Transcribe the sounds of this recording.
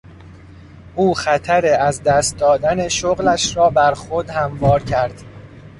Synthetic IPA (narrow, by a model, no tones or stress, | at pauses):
ʔuːxæt̪ʰæɾeæzd̪æːst̪̚d̪ɒːd̪æneʃoɣlæʃɾɒːbæɾxod̪hæmvɒːɾcʰæɾd̪̥